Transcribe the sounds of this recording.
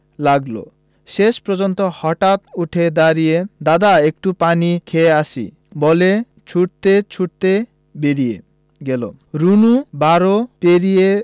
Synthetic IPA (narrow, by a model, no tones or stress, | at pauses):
laɡlo̰ | ʃeʃpɾɔd͡ʑɔnt̪ohɔʈat̪uʈʰed̪aɾijed̪ad̪aek̚ʈupanikʰeasḭ | bɔle | t͡ɕʰuʈt̪et͡ɕʰuʈt̪e | beɾie | ɡelo | ɾunubaɾopeɾije